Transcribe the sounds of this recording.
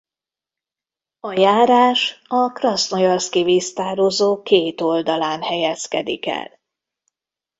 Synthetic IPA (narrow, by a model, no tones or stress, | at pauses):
ɒjaːɾaːʃɒkrɒsnojɒskivist̪aːɾozoːkeːt̪o̞ld̪ɒlaːnhɛjɛskɛd̪ḭkɛ̰l